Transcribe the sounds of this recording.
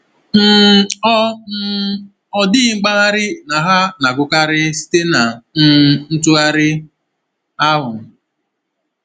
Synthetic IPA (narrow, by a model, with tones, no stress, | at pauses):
m̩˦ɔ˦ | ɔ˨dɪ˦ŋ͡m̩˦ɡ͡ba˦ɣa˦ɾɪ˦na˨ɦa˦na˨ɡʊ˦ka˦ɾɪ˦si̥˦te˦na˨n̩˦n̩˦tʊ˦a˦ɾɪ˦ | a˦ɦʊ˨˦